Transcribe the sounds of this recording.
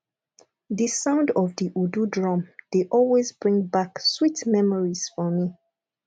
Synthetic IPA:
ðisãʊ̃ndɔvdiʔududɹɔ̃md̥eʔɔlwezbɹĩŋbakswitmɛmɔɹiz̥fɔmi

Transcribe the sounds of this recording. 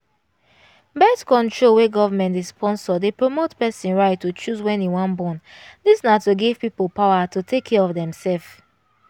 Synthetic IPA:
bɛtkɔ̃ntʰɹolweɡɔvamɛ̃ntizspɔ̃nsɔdepɹomotpɛsĩnɹaɪtːot͡ʃuzwɛ̃niwãnbɔ̃ndisnatuɡiv̥pipolˠpaʊatutʰekʰːɛɹɔvdɛ̃msɛlf

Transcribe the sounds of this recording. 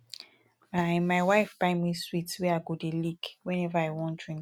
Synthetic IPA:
ãmaɪwaɪfbaɪmiswitwɛaɡodelikwɛ̃nɛvaaɪwɔ̃nd̥ɹĩŋ

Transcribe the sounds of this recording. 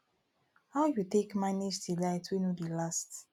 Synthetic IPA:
haʊjutekmanid͡ʒdilaɪtwinudilast

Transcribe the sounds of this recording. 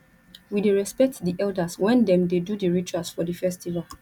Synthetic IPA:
wideɹɛspɛk̚tdiʔɛldaswɛ̃ndɛ̃mdedudiɹit͡ʃuasfɔdəfɛstival

